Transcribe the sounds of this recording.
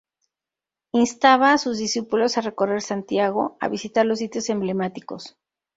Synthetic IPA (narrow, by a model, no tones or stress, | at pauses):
inst̪aβaːsuzðisipulo̞sare̞ko̞re̞ɾsant̪jaɣo̞̰a̰βisit̪aɾlo̞s̬ːit̪jo̞sẽ̞mble̞mat̪iko̞s